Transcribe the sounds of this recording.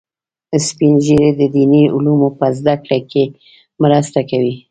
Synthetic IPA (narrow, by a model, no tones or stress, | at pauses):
spinʒiɾed̪əd̪iniʊlumopəzd̪akɽake | mɾast̪akawi